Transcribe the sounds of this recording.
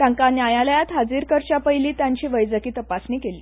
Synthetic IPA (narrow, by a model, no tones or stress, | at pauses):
t̪ãŋkanjajaləjat̪ɦad͡ziːɾkəɾt͡ɕapəjliːt̪jaɲt͡ɕiːʋəjd͡zəkiːt̪əpasniːkeliː